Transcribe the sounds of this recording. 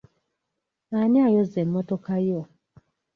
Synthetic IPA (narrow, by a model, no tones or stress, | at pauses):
aniajozemːotokajo